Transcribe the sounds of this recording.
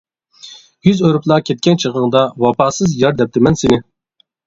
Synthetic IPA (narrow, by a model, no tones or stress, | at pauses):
jyzøɾuplˠɑkʲʰɛt̪̚kʲɛnt͡ʃʰəʁəŋd̪ɑwɑpɑːsɨzjɑɾd̪ɛp̚t̪ʰɪmɛnsɪnɪ